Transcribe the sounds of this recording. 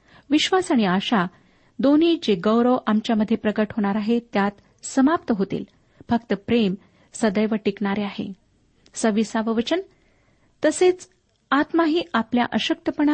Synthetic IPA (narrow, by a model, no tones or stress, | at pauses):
ʋiɕʋasaɽ̃iaɕa | d̪oniːd͡ʑeɡəwɾəʋʔamt͡ɕjaməd̪ʱːjepɾəɡəʈɦoɽ̃aɾaɦet̪jat̪ | səmap̚t̪əɦot̪ḭːl | fək̚t̪əpɾem | səd̪əjʋəʈikɳaɾeaɦḛ | səʋisaʋəʋət͡ɕən | t̪əset͡s | at̪maɦiːaplja̰ʔəɕək̚t̪əpəɳ̃a